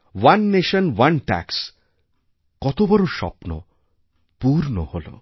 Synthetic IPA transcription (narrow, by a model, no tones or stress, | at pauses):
wanːeʃənwanʈa̰ks | kɔt̪obɔɾoʃɔ̰pno̰ | puɾnoholo̰